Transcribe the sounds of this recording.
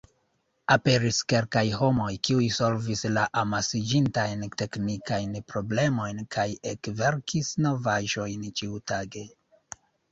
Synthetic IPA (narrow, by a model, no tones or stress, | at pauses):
ape̞ɾiske̞lkajɦo̞mo̞jkiujso̞lvislaʔamasid͡ʒintajnte̞knikajnpɾo̞ble̞mo̞jnkʰajekve̞ɾkʰisno̞vaʒo̞jnt͡ʃiutaɡe̞